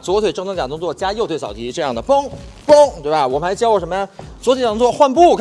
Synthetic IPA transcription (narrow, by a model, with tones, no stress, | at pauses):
t͡swɔ˧˥t̪ʰwe˩ʈ͡ʂɤ˥˧ŋʰ˧˥˩t͡ɕa˨˩t̪ʊ˥ŋt͡swɔ˥˩t͡ɕja˥jo˥˧ʊt̪we˥˩ɑ˨˩t̪ʰi˧˥ʈ͡ʂɤ˥˧jɑ˥˩d̪ə˩pɤ˥ŋ | pɤ˥ŋt̪we˥˧ɪba˨˩ɪwɔ˨˩mə˩xɪt͡ɕjɑ˥ʊwɔ˨˩ʂə˧˥mə˧ja˧t͡swɔ˧˥tʰe˧˩˨ʊ˥t͡swɔ˥˧˩xwa˥˧npu˥˩kʰ